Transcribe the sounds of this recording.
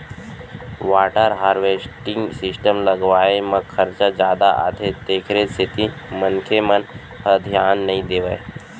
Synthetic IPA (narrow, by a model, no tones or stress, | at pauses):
ʋaːʈəɾɦaːɾʋeːsʈɪ̃ŋɡsɪsʈəmləɡʋaːemɐ̃kʰəɾt͡ʃad͡ʒjaːd̪aʔa̰ːt̪ʰet̪eːkʰɾesʰɪt̪i | mənkʰemən | həd̪ʱjaːnːɐɦĩd̪eːʋəe